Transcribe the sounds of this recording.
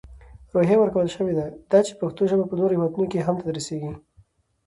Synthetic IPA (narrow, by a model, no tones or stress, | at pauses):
ɾoɦjawəɾkawəlʃəwed̪ad̪̥ɑt͡ʃe̥paxt̪oʒəbapənoɾohɪwad̪unokeɦamt̪ad̪əɾəseɡi